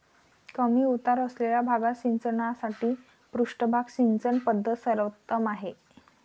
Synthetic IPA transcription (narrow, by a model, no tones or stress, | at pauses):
kəmiːut̪aɾəsleljabʱaɡaɕint͡sənasaʈiː | pɾuʂʈəbʱaɡɕint͡sənpəd̪ʱːəsəɾʋət̪ːəmaɦe